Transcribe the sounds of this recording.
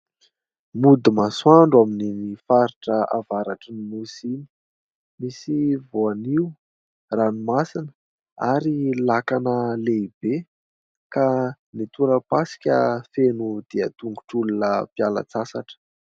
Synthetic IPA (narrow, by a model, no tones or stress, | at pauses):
mud̪imaswaɳɖ͡ʐwaminimifaɾiʈ͡ʂəa̰vaɾaʈ͡ʂəninusini̥ | misivoaniu | ranimasinə̥ | aɾilakanəleib̥e | ka | nit̪uɾəpasi̥kʲəfenud̪̥eət̪uŋɡu̥ʈ͡ʂulunəpiala̰t͡sasaʈ͡ʂə̥